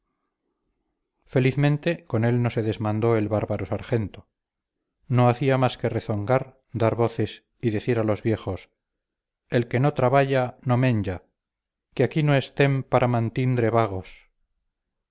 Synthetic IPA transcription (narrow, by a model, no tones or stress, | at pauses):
fe̞liθmẽnt̪e̞ko̞ne̞lno̞se̞ðezmãnd̪o̞e̞lβaɾβaɾo̞saɾxe̞nt̪o̞ | no̞aθiamaske̞reθo̞ŋɡaɾ | d̪aɾβo̞θe̞s | iðe̞θiɾalo̞zβje̞χo̞s | e̞lke̞no̞t̪ɾaβaʝano̞mẽ̞ɲd͡ʒa | keakino̞e̞st̪e̞mpaɾʔamãnt̪ind̪ɾeβaɣ̞o̞s